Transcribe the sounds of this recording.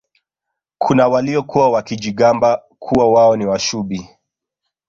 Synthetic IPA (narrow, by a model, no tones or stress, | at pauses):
kʰunawaliɔkuwawakiʄiɠamba | kʰuwawaɔniwaʃuɓi